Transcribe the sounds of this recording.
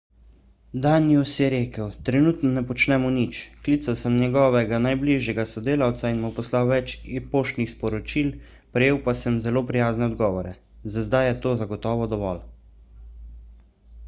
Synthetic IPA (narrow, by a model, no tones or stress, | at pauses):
d̪aːniusjɛɾeːkəwt̪ɾɛnuːt̪nɔnɛpɔt͡ʃnɛmɔnit͡ʃklit̪sawsəmnjɛɡɔːʋɛɡanajbliʒjɛɡasɔd̪eːlawt̪sainmɔpɔslawʋɛt͡ʃipoːʃt̪nixspɔɾɔt͡ʃil | pɾɛjeːwpasəmzɛloːpɾijaːznɛɔd̪ɡɔːʋɔɾɛ | zazd̪ajjɛt̪oːzaɡɔt̪ɔːʋɔd̪ɔʋɔl